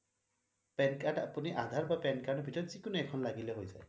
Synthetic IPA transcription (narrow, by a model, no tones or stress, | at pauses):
pɛnkadapuniʔad̪ʱaɹbapɛnkaɹdɔbʱitɔɹɔtsikunɛɛkʰɔnlaɡilɛɦojza̰j